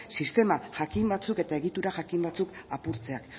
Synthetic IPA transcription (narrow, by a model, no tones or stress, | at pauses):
sist̪e̞maʝakimbat͡suke̞t̪ae̞ɣit̪uɾaʝakimbat͡sukapuɾt͡se̞ak